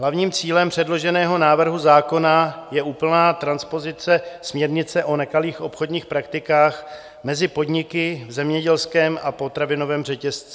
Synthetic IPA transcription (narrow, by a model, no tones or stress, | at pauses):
ɦlavɲiːmt͡siːlɛmpr̝̥ɛdlo̞ʒɛnɛːɦo̞naːvr̩ɦuzaːko̞najɛʔuːpl̩naːt̪ɾanspo̞zɪt͡sɛsmɲɛɾɲɪt͡sɛʔo̞nɛkaliːxʔo̞pxo̞dɲiːxpɾakt̪ɪkaːx | mɛzɪpo̞dɲɪkɪvzɛmɲɛɟɛlskɛːmapo̞t̪ɾavɪno̞vɛːmrɛcɛst͡sɛ